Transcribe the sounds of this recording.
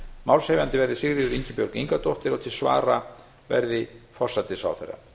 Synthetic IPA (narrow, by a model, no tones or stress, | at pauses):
mawlseːjvant̪ɪvɛɾðɪsɪɣɾɪðʏɾiɲcɪpjɔɾkiŋkat̪ɔht̪ɪɾɔt̪ʰɪlsva̰ːɾa | vɛ̰ɾðɪfɔr̥sat̪ɪsa̰wθɛ̰rːa̰